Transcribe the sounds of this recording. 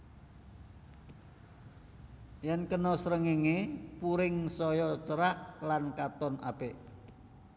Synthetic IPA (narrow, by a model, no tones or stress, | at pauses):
jɛnkənɔsɾəŋiŋepuɾɪŋsɔjɔt͡ʃəɾahlankat̪ɔnʔa̰beʔ